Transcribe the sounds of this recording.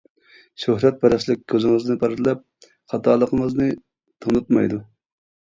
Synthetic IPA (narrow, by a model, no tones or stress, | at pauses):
ʃøhɾɛt̪̚bɛɾɛslɪk̚ʲkʰʲːøzɪŋɨznɨpʰɑɾɨt̪lɛp̚ | χɑt̪ʰɑːlˠəqʰəŋəznɨ | t̪ʰoŋnut̪̚mɑ̰jd̪u